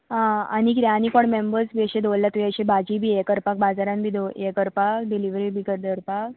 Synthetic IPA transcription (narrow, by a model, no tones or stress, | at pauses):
ɦãanikɾanikoɳmembəɾsbiəɕẽd̪olːat̪ʋiəɕebʱad͡ʑibʱiːekəɾpak̚bad͡zaɾãnbʱiːd̪oekəɾpakɖiliʋɾibʱikəd̪əɾpak